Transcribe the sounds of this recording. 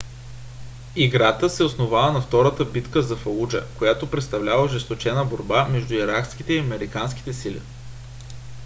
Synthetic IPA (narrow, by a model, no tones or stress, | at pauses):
iɡɾat̪əsɛosnovavənɐft̪ɔɾət̪əbit̪kəzɐfɐud͡ʒə̰kojat̪opɾɛt̪st̪ɐvlʲavəʒɛst̪ot͡ʃɛnəboɾbamɛʒd̪ʊiɾaksk̟it̪ɛiɐmɛɾikansk̟i̥t̪ɛsilʲḭ